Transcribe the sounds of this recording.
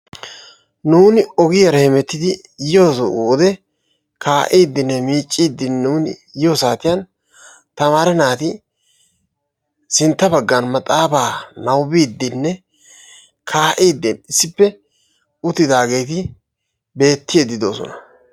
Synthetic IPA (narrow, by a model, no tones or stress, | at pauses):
nuːnɪɔɡɪjɐɾɐhɛmɛt̪ːɪd̪ɪ | jɪjoːsuːd̪ɛ | kaːʔiːd̪ːɪnːɛmiːt͡ʃʼːiːd̪ːɪnːuːnjɪjosaːt̪ɪjɐn | t̪ɐmaːɾɛnaːt̪ɪ | sɪnt̪ːɐbɐɡːɐnmɐt̪ʼaːbaːnɐwbiːd̪ːɪnːɛ | kʰaːʔiːd̪ːɪnɪsːɪpːɛ | ʊt̪ːɪd̪aːɡe̞jt̪̬ɪ | be̞ːt̪ːɪjed̪ːɪd̪o̞ːsɔ̰nɐ